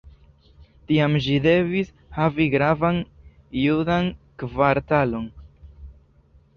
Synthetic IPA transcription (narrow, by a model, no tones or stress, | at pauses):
tiamʒide̞vis | haviɡɾavan | judankvaɾtalo̞n